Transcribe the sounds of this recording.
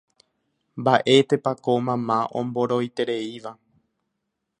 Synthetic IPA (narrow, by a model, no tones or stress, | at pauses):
mbaʔe̞t̪e̞pakomãmãʔõ̞̰mbo̞ɾo̞jt̪e̞ɾe̞iʋa